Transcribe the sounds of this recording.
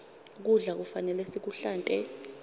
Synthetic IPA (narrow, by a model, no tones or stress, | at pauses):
k̬uɮak̬ufanɛlɛsik̬uɬaːntʼɛ